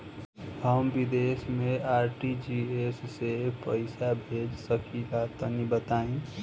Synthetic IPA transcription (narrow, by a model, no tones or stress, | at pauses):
ɦəmbid̪esmeaɾʈid͡ʒiesːepəɪsabʱed͡ʒsəkʰilat̪ənibət̪aĩ